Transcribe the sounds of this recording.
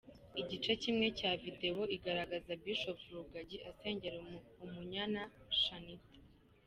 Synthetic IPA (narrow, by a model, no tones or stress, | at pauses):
iɟit͡ʃecimŋe̞caːvide̞wo̞iɡaɾaɡazabiʃo̞puɾuɡaɟiʔase̞ːɲɟe̞ɾumuɲanaʃani